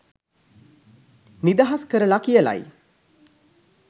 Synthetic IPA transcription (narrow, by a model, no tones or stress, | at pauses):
nid̪aɦaskəɾəlakijəla̰j